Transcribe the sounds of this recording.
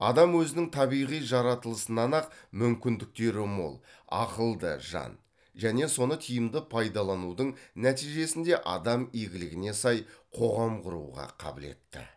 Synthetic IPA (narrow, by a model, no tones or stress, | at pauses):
ɑ̰d̪ɑmwɵzɪnɪŋt̪ʰɑβijʁijʒɑɾɑt̪əlˠəsənɑnɑq̚mʏmkʲɪnd̪ɪk̚t̪e̞ɾɪmo̰lˠɑ̰qəlˠd̪ə̰ʒɑ̰n | ʒæne̞so̞nət̪ʰijəmd̪əpʰɑjd̪ɑlˠɑnud̪əɴnæt̪ijʒe̞sɪnd̪e̞ʔɑ̰d̪ɑmijɡʲɪlɪɡʲɪne̞sɑjqʰo̞ʁɑmqʰʊɾṵʁɑ̰qʰɑ̰bɪle̞̰t̪ːɪ̰